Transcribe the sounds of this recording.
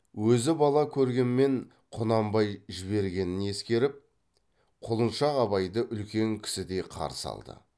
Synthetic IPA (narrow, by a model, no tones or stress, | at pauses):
wɵzɪbɑlˠɑkʲʰɵɾɡʲe̞nme̞ɴ | qʰʊnɑmbɑjʒɪβe̞ɾɡʲe̞nɪne̞skʲe̞ɾɪp̚ | qʰolˠənʃɑqɑβɑjd̪əʔʏlkʲe̞ŋkʲʰɪ̥sɪd̪e̞jqʰɑ̰ɾəsɑ̰lˠd̪ə̰